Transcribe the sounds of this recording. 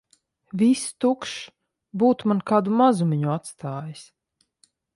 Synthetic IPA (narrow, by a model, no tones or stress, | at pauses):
vʲist̪ukʃ | buːt̪mankaːd̪umazumʲiɲuat̪st̪aːjis